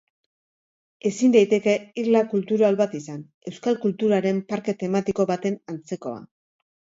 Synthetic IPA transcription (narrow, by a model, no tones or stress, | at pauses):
e̞sind̪ajt̪e̞ke̞iɾlakult̪uɾalβat̪isan | e̞wskalkult̪uɾaɾe̞mpaɾke̞t̪e̞mat̪iko̞βat̪e̞nant͡se̞ko̞̰a̰